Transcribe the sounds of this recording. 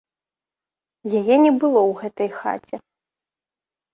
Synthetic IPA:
jajɛnʲɛbɨlˠɔwɣɛt̪ɐjxa̰t͡sʲɛ

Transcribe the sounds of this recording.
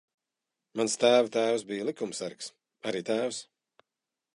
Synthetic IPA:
manst̪æːvat̪æːws̬bijlˠikumsæɾks | aɾiːt̪æːws

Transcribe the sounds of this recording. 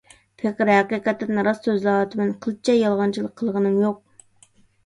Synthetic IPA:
pʰeqəɾɦæqiqɛt̪ːnɾɑsːøzlˠɑːt̪ʰɪmɨnqʰəlˠɨt͡ʃʰɛjɑlˠʁɑnt͡ʃʰɨlˠəqʰːəlˠʁɨnɨmjoq̚

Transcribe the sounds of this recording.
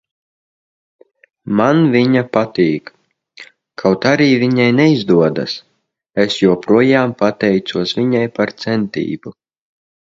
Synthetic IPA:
manvʲiɲapat̪iːk | kʰawt̪aɾiːvʲiɲajnɛizd̪uɔd̪a̰s | esjuɔpɾuɔjaːmpat̪ɛjt̪suɔsvʲiɲajpaɾt̪sɛnt̪ḭːbu

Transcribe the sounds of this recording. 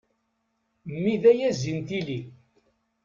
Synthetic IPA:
mːiðæjæzːint̪ili

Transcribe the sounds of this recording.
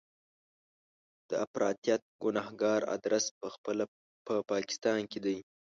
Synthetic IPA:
d̪̥əafɾɑ̰t̪ijat̪̚ɡʊnɑhɡɑɾa̰d̪ɾaspəəl | pəpɑkɪ̥st̪ɑnked̪aj

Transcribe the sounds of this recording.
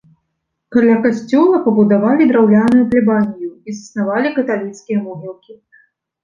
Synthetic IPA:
kalʲakasʲt͡sʲɔlˠɐpɐbud̪avalʲid̪ɾawlʲanujuplʲibanʲijuizɐsnavalʲikɐt̪alʲit̪skʲijɐmɔɦʲilˠkʲi

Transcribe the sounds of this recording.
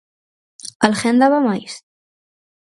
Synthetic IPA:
əlxɛnd̪aβamajs

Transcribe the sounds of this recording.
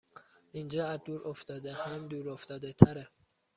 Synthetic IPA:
ind͡ʒɒːæzd̪uːɾoft̪ɒːd̪ehæmd̪uːɾoft̪ɒːd̪et̪ʰæɾe

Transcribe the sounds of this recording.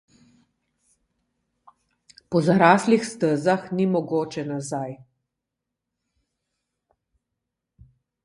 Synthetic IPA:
pɔzaɾaːslixst̪əzaxnimɔɡoːt͡ʃɛnazaj

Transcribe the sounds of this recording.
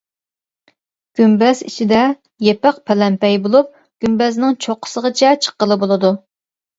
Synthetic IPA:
ɡ̥ʲymbɛzḭt͡ʃʰid̪ɛ | jepæqpʰɛlɛmpɛjbolˠup̚ | ɡ̥ʲymbɛznɪŋt͡ʃʰoqʰːə̥səʁət͡ʃʰɛt͡ʃʰə̥qːəlˠɨbolˠɨd̪u

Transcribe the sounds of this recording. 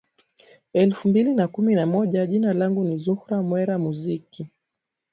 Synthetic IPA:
ɛlfumbilinakuminamɔʄaʄinalaŋɡunizuhɾamwɛɾamuziki

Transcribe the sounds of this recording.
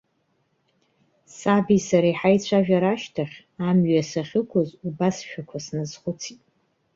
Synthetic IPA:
sabisaɾaiħajt͡sʷʰaʒᶣaɾaʃtʰaχʲ | amɥasaχʲɪkʷʰozubasʃᶣakʷʰasnɨzχʷʊt͡sʰitʼ

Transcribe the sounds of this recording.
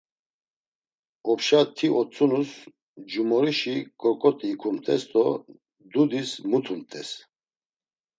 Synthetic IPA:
ɔpʃat̪ʰiʔɔt͡sʼunus | d͡ʒumɔɾiʃikʼɔɾkʼɔt̪ʼiːkʰumt̪ʼɛsd̪ɔ | d̪ud̪ismut̪ʰumt̪ʼɛs

